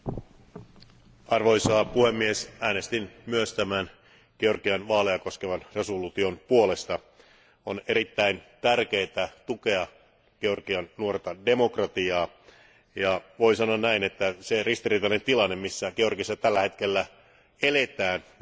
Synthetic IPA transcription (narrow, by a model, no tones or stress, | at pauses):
ɑrʋo̞jsɑːpuhe̞mːiesæːne̞st̪inmyøst̪æmæn | ɡ̥eo̞rɡiɑnʋɑːleɑko̞skeʋɑnre̞solut̪io̞npuo̞le̞st̪ɑ | one̞ɾit̪ːæint̪ærk̟e̞jt̪æt̪uke̞ɑ | ɡ̥eo̞rɡ̥iɑnnuo̞rt̪ɑde̞mo̞krɑt̪iɑː | jɑʋo̞isɑnoɑnnæinet̪ːæserist̪iriːt̪ɑne̞nt̪ilɑnːemmisːæɡ̥eo̞rɡisːɑt̪ælːæhe̞t̪k̟e̞lːæ | ele̞t̪æːn